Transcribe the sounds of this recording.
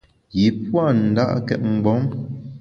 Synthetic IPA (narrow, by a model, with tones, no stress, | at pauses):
ji˨pwa˦˨n̩˨da̰˦ʔkɛ̰˦˨t̚ŋ͡m̩˨ɡ͡bɔ˨˦m